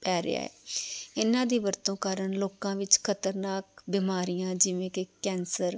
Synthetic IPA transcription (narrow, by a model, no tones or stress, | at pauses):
pɛːɾɪ̰a̰ːɛ̰ːɪnãːd̪iːʋəɾt̪õːkaːɾəɳloːkãːʋɪt͡ʃkʰət̪əɾnaːkbɪːmaːɾijãːd͡ʒɪʋẽːkɪkɛ̃ːnsəɾ